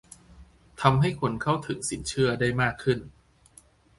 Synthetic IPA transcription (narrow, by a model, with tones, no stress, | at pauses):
t̪ʰa˧mɦa˥˩jkʰo˧nkʰa˥˩wt̪ʰɯ˩˦ŋsi˩˦nt͡ɕʰɯ˥˩ɐdaː˥˩jmaː˥˩kʰːɯ˥˩n